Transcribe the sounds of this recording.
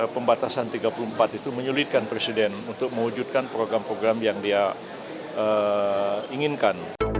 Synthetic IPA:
pəmbat̪asant̪iɡapulumpat̪it̪uməɲulɪt̪̚kanpɾesidɛnunt̪ʊk̚mə̃ŋud͡ʒut̪̚kanpɾoɡɾampɾoɡɾamjaŋdia | ə | iŋinkan

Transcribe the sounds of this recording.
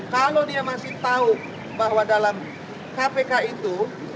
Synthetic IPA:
kalodiamasɪht̪au | baɦwadalam | kapekait̪u

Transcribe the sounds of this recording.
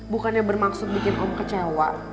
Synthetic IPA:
bukanɲabərmaksʊt̪̚bikɪnʔɔmkət͡ʃawa

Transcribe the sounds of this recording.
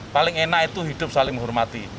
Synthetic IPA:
palɪŋenait̪uɦid̪̥ʊp̚salɪŋɦʊrmat̪i

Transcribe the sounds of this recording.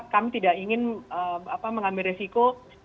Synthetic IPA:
kamit̪idaʔiŋɪnəapaməŋambɪlɾresiko

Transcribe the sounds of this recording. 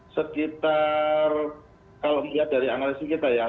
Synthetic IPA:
səkit̪ar | kaloʔmuliahda̤ɾiaŋlesikit̪aja

